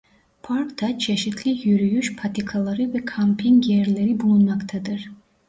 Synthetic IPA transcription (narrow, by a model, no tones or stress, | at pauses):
pʰaɾkt̪ʰat͡ʃʰe̞ʃit̪ʰlʲijyɾyjyʃpʰat̪ʰikʰalˠɑɾɯvɛkʰampʰiŋɡjeɾlʲeɾibulˠunmakt̪ʰad̪ɯɾ̥